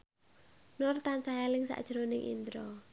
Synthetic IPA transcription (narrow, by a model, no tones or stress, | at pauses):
nʊrt̪ansajalɪŋsa̰ʔd̥ʒ̥ɾonɪŋʔḭnd̪ɾɔ